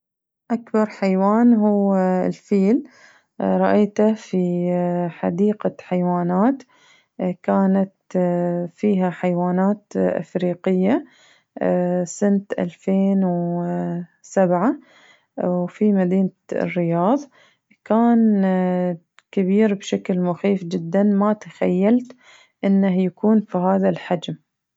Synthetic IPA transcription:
ʔakbɑɾˤħajwaːnɦuːɪlfiːl | ɾˤɑʔaːt̪afi | ħa̰d̪iːqaħajwaːnaːt̪ | kaːnat̪ | fiːɦaħajwaːnaːt̪ʔɪ̰fɾiːqɪjːa | sɪnt̪ʔa̰lfeːnw | sabʕa | wfimad̪iːn̰rːɪjɑːðˤ | kaːn | kɪbiːɾbʃaklmʊxiːfd͡ʒɪd̪ːanmat̪axa̰jːalt̪ | ʔɪnːahjakuːnfiɦaːðalħad͡ʒm

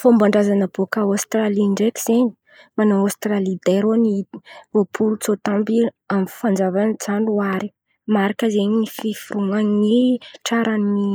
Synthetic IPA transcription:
fombaɳɖ͡ʐazanəbokəost̪raliɳɖ͡ʐeki̥z̥eɲi̥ | manoost̪ralid̪eɾoni̥vopʰulut͡sot̪ambi | amfand͡zavanid͡zanuaɾi̥ | maɾakəzeɲinififuɾuŋaŋiʈ͡ʂaɾani

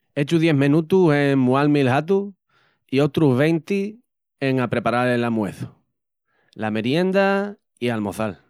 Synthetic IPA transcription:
e̞t͡ʃuðje̞ɦmẽnut̪use̞ŋmualmilɦat̪u | io̞t̪ɾuɦβe̞jnt̪i | eŋapɾe̞paɾalelamwe̞̰θu̥ | lameɾje̞nd̪a | ialmo̞θal

